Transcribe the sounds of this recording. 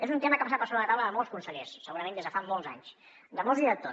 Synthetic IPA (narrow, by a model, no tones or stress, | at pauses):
ezunt̪eməkəpasatpaɾsoβɾət̪awləðəmɔlˠskunsəʎesːəɣuɾəmẽnd̪ezðəfamːɔlˠza̰ɲs | d̪əmɔlˠziðət̪o